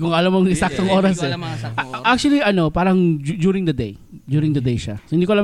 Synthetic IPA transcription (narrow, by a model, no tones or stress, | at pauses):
kʊŋɐlamːoŋɪsak̚t̪oŋʔo̞ːɾɐsɛ | ʔak̚t͡ʃuɐliʔɐno̞paːɾɐŋd͡ʒjuːɾɪ̃ŋd̪ɐd̪ejd̪juːɾɪŋd̪ɐd̪ejʃa̰sohɪnd̪ikolɐ